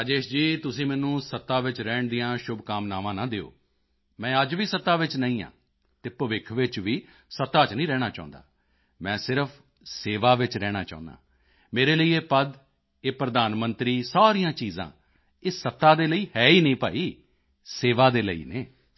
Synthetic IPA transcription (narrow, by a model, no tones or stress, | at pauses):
aːd͡ʒeːʃd͡ʒiːt̪ʊsĩːmɛ̃ːnũːsət̪ːaːʋɪt͡ʃɾɛːɳd̪ijãːʃʊbkaːmnaːʋãːnãːd̪eːo̰ː | mɛ̃ːəd͡ʒʋiːsət̪ːaːʋɪt͡ʃnəĩːã̰ː | t̪eːpəʋɪkʰʋɪt͡ʃʋiː | sət̪ːaːt͡ʃnĩːɾɛːɽ̃aːt͡ʃã̰ːnd̪a̰ː | mɛ̃ːsɪɾəpʰ | seːʋaːʋɪt͡ʃɾɛːɽ̃aːt͡ʃa̰ːʊ̃nd̪a̰ː | meːɾeːləiːeːpəd̪ | eːpɾəd̪aːnmənt̪ɾiːsaːɾijãːt͡ʃiːzã̰ː | eːsət̪ːaːd̪eːləiːhɛːiːnəĩːpaːiː | seːʋaːd̪eːlə̰ḭːneː